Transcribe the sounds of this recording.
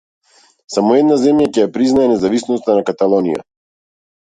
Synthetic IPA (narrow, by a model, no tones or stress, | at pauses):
samɔɛd̪nazɛmjacɛjapɾiznaɛnɛzavisnɔst̪anakat̪alˠɔnḭja̰